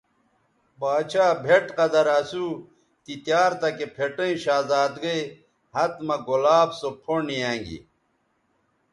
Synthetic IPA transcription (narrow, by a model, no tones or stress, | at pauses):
baːt͡ɕʰaːbʱeʈqɐd̪ɐɾɐsuː | t̪it̪jaːɾt̪ɐkepʰeʈɐ̃ĩɕaːzaːd̪ɡej | hɐt̪mɐɡolaːbsopʰoniãːŋɡḭ